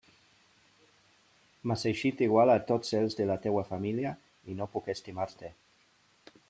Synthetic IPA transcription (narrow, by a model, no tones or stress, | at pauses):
masejʃit̪iɣwalat̪otselzd̪elat̪ewafamilja | inopukest̪imaɾt̪e